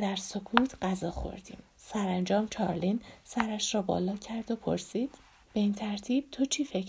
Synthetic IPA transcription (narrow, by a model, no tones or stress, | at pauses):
d̪æɾso̞kʰuːt̪ʰɢæzɒːxo̞̰ɾd̪̥ḭːm | sæɾænd͡ʒɒːmt͡ʃʰɒːɾlinsæɾæʃɾɒːbɒ̰ːlɒːcʰæɾd̪o̞pʰo̞̰ɾsiːd̪̥ | b̥e̞iːnt̪ʰæɾt̪ʰiːb̥̚t̪ʰot͡ʃʰiːfe̞kʰ